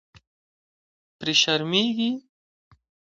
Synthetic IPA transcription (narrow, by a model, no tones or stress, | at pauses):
pɾiʃɐɾmiːɡi